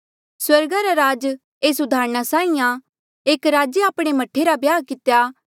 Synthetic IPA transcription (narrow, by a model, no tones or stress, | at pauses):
swɐɾɡaɾaɾaːd͡ʒ | eːsʊd̪ʱaːɾɽ̃asaːĩjã | eːkɾaːd͡ʒeaːpɽ̃emɐʈʰeɾabjaːkɪt̪eja